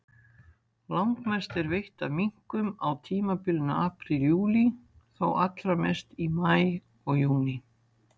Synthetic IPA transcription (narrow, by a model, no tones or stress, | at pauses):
lawŋkmɛst̪ɛɾvejht̪amiŋ̥kʏmawt̪ʰiːmapɪlnaaːpɾɪljuːli | θowʔat̪lɾamɛst̪imaːj | ɔɣjuːnɪ